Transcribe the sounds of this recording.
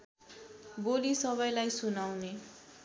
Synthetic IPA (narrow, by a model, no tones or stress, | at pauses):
bolisʌβʌjlajsunawne